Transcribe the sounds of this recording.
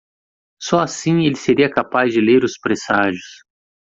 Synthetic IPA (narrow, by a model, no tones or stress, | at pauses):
sɔasĩelɪseɾiɐkapazd͡ʒɪleɾʊspɾesaʒʊs